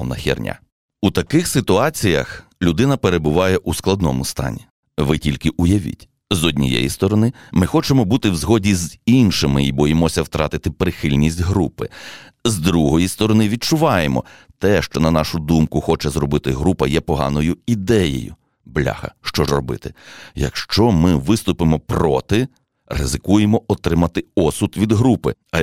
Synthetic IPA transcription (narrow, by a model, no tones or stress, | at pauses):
ɔnɐ̰xʲḭrnʲa̰ | ut̪ɐkɪxsɪt̪ʊɑt͡sʲijɐ̰x | lʲʊd̪ɪnɐpeɾe̞bʊʋɑjɛʔusklˠɐd̪nɔ̰mʊst̪ɑ̰nʲi | ʋɪtʲilʲkɪʔujɐʋʲḭtʲ | zɔdʲnʲḭjɛ̰jist̪ɔɾɔnɪmɪxɔt͡ʃemɔbut̪ɪwzɦɔdʲizinʃɪmɪibɔjɪmɔsʲɐwt̪ɾɑ̰t̪ɪt̪ɪpɾɪxɪlʲnʲisʲtʲɦɾupɪzd̪ɾuɦɔjist̪ɔɾɔnɪʋʲid̚t͡ʃʊʋɑjemɔ̰t̪ɛʃt͡ʃɔnɐnɑʃʊd̪umkʊxɔt͡ʃɛzɾɔbɪt̪ɪɦɾupɐjɛpɔɦɑ̰nɔjʊid̪ɛjḛjʊ̰ | blʲa̰hɐ̰ʃt͡ʃɔʒrɔbɪ̰t̪ɪjɐ̰kʃt͡ʃɔmɪʋɪst̪ʊpɪmɔpɾɔt̪ɪ | rɪ̰zɪkujemɔɔt̪ɾɪmɐt̪ɪɔsʊt̪ʋʲid̪ɦɾupɪ